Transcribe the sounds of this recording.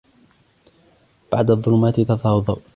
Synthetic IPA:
b̥aʕd̪aðˤːʊlʊmaːt̪ɪt̪ɑtˤɑːwðˤɑw

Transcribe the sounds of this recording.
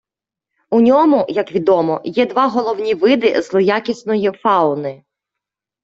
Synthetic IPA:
unʲɔmʊjɐkʋʲid̪ɔmɔjɛd̪ʋɑɦɔlˠɔwnʲiʋɪd̪ɪ̰zlˠɔjakʲisnɔjifɑʊnɪ

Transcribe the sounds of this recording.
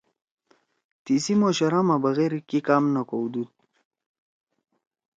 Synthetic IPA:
t̪isimoɕɐɾamabaɣeɾkikamnakowd̪ud̪

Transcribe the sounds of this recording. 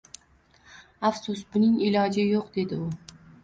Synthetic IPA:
afsʊsbʊnɪŋɪlɒd͡ʒɪjoqd̪e̞d̪ɪʊ

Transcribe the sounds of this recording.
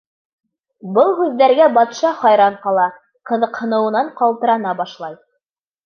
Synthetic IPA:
bɤlˠɦʉðːæɾɡæbɑt̪ʃɑχɑjɾɑɴqɑlˠɑ | qɤ̆ðɤ̆qhɤ̆nɤ̆wɤ̆nɑɴqɑlˠt̪ɤ̆ɾɑnɑbɑʃlˠɑj

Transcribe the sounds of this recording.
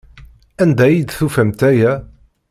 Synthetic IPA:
ænd̪æjid̪θufæmt̪æjæ

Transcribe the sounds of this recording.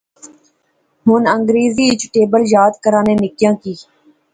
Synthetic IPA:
ɦʊːnəŋɡɾeːziːɪt͡ʃʈeːbəljaːd̪kəɾãːnẽːnɪkjãːkiː

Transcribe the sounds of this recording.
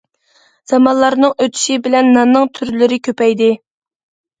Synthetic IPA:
z̥ɑmɑnlˠɑɾnɨŋøt̪ʰy̥ʃibɪlɛnːɑnnːɨŋt̪ʰyɾlɪɾɪkʲʰøpɛjd̪ɪ

